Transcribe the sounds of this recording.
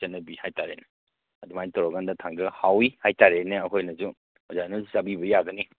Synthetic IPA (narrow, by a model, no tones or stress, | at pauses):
ɐnːɐbihajtaɾena | ɐdumajntɔɾɔɡandatʰaŋdɯhawihajtaɾeneɐkʰojnɐzu | ɔzanusabibɐjaɡɐni